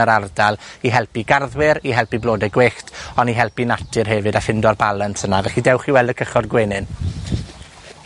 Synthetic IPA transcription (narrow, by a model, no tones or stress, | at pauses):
əɾardalˠiɦɛlˠpiɡarðwɪɾiɦɛlˠpiblˠoːdɛɡweːχtɔniɦɛlˠpinatʰɨrɦɛvɨdafɪndɔrbalˠəntʰənavɛχidɛwχiwɛlˠdəkʰəχɔrɡweːnɨn